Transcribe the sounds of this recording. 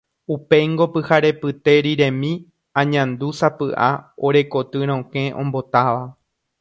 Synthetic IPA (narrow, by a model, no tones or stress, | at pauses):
upe̞ŋɡo̞pɨhaɾe̞pɨt̪e̞ɾiɾẽ̞mĩ | ãɲãnd̪usapɨʔaoɾe̞ko̞t̪ɨɾ̃õkẽ̞ʔõ̞̰mbo̞t̪aʋa